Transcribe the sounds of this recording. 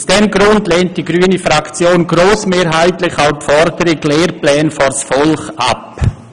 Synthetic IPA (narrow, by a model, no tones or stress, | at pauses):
sd̥ɛmɡɾʊndleːnt̚d̥iɡɾyːnəfɾakt͡sjoːnɡɾoːsmeːɾɦaɪtlɪçaʊpfɔɾdəɾɪɡleːɾplɛːnfɔsfɔlχa̰p